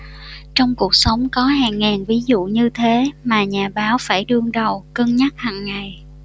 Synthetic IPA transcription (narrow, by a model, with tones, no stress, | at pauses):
t͡ɕɔ˧wŋ͡mku˨˩ək̚sə˨˦wŋ͡mkɔ˨˦ɦaː˨˩ŋːaː˨˩nvi˨˦zṵ˧˨ɲɨ˧t̪ʰe˨˦maː˨˩ɲaː˨˩ɓaː˨˦wfaː˧˩jɗɨ˧əŋɗə˨˩wkəː˧nɲa˦˥t̚haː˨˩ŋːa˨˩j